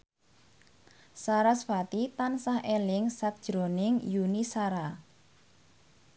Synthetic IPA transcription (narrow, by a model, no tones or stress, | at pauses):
saɾasfat̪it̪ansaɦʔelɪŋsak̚d̥ʒ̥ɾonɪŋjunisaɾa